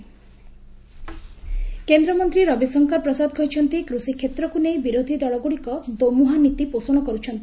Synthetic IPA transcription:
kend̪ɾɔmɔnt̪ɾiɾɔbisɔŋkɔɾpɾɔsad̪kʰɔjt͡ʃʰɔnt̪ikɾusikʰːet̪ɾɔkunejbiɾod̪ʱid̪ɔɭɔɡuɽikɔd̪omuɦanit̪iposoɽ̃ɔkɔɾut͡ʃʰɔnt̪i

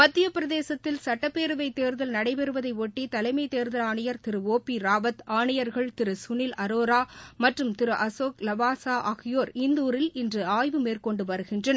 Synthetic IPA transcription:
mɐt̪ːɪjɐpɪɾɐðeːsɐt̪ːɪlsɐʈːɐpːeːɾɯʋɐɪt̪ːeːɾðɐlnɐɽɐɪpɛɾɯʋɐðɐɪoʈːit̪ɐlɐɪmɐɪt̪eːɾðɐlaːɳɐjɐɾt̪ɪɾɯoːpːiɾaːʋɐt̪aːɳɪjɐɾɣɐɭt̪ɪɾɯsʊnɪlɐɾoːɾaːmɐʈrɯmt̪ɪɾɯʔɐsoːklɐʋaːsaːʔɐɣɪjoːɾɪnd̪uːɾɪlɪndrɯaːjʋɯmeːrkɔɳɖɯʋɐɾɯɣɪndrɐn

